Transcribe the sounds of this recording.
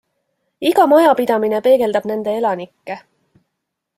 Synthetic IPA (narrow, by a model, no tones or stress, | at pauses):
iɡɑmɑjɑpid̪̥ɑmine̞pe̞ːɡe̞ld̪ɑb̥ne̞nd̪e̞e̞lɑnikːe̞